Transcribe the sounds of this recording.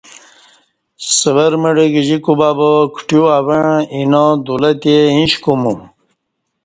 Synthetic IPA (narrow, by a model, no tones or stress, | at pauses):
səʋəɾməɖəɡʑikubabəkʰʈjuaβəɳinod̪ulət̪eĩɕkumu